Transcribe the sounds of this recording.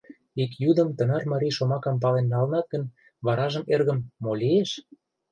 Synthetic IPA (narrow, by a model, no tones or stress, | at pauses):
ikjud̪ə̆mt̪ə̆nɑrmɑɾʲijʃomɑkɑmp̬ɑlenːɑlənɑt̪̚ɡə̆n | βɑɾɑʒə̆merɣə̆mːolʲieʃ